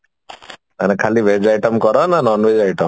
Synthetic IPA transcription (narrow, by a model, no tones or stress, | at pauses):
a̰nekʰaliʋed͡ʒajʈəmkɔɾɔnanɔnʋed͡ʒajʈəm